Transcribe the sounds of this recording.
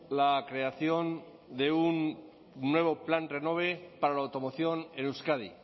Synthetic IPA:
lakɾe̞aθjo̞n | d̪e̞unː | we̞β̞o̞planreno̞β̞e̞paɾalawt̪o̞moθjo̞nenewskað̞ḭ

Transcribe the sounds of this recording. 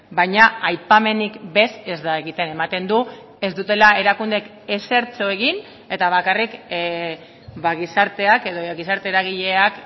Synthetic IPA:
bajɲaajpame̞nikbe̞se̞zd̪aeɣit̪e̞ne̞mat̪e̞nd̪u | e̞zd̪ut̪e̞lae̞ɾakund̪e̞k | e̞se̞ɾt͡so̞e̞ɣin | e̞t̪aβ̞akarik | βaɣisaɾt̪e̞ake̞ðo̞ɣisaɾt̪e̞ɾaɣiʎe̞ak

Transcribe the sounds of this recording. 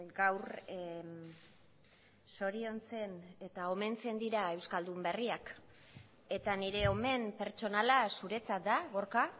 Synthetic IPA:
ɡawr | so̞ɾio̞nt͡se̞ne̞t̪ao̞me̞nt͡se̞nd̪iɾae̞wskald̪umbe̞riak | e̞t̪aniɾe̞o̞me̞mpe̞ɾt͡ʃo̞nalasuɾe̞t͡sat̪̚d̪aɣo̞ɾka

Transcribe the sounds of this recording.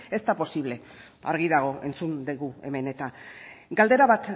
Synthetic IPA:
e̞st̪apo̞siβ̞le̞ | a̰ɾɣiðaɣ̞o̞e̞nt͡sund̪eɣue̞̰me̞ne̞t̪aɡald̪e̞ɾaβat̪

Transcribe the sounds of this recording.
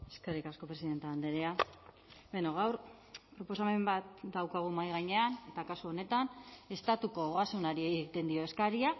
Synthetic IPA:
e̞skerikasko̞pɾe̞siðe̞nt̪eand̪eɾea | benoɣ̞awɾ | pɾo̞po̞same̞mbat̪̚d̪awkaɣ̞umajɣaɲe̞ane̞t̪akasuo̞ne̞t̪ane̞st̪at̪uko̞ːɣasunaɾieɣɣit̪e̞nd̪io̞e̞skaɾia

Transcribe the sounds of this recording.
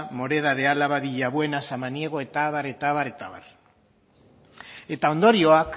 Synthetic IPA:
moɾeð̞aðealaβaβiʎaβwenasamanjeɣoet̪aβaɾet̪aβaɾet̪aβa̰ɾ | et̪aond̪oɾjoak

